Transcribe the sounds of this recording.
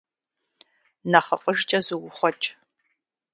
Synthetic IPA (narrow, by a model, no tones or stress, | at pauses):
naχɐfʼəʒt͡ʃʼɐzɨwʊχʷɔt͡ʃʼ